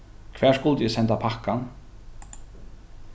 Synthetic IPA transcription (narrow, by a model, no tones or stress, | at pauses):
kʰvɛ̥ːskʊlt̪jɛsɛnt̪apʰahkːan